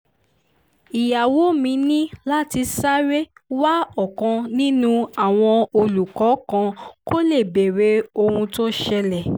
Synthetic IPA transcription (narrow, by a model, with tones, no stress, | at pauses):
i˨ja˨wo˨˦mĩ˧˦nĩ˦la˦ti˧sa˦ɾe˦wa˦ɔ˦˨kã˧nĩ˦nũ˦a˦˨w̃ɔ̃˧o˧lu˨kɔ˨˦kã˧ko˦le˦˨be˨ɾe˨˦o˧hũ˧to˦ʃɛ˧lɛ˨